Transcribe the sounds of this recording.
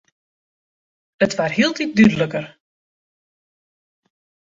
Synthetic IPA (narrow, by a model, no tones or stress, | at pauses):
ətʋarhiəlˠtit̚dydələkər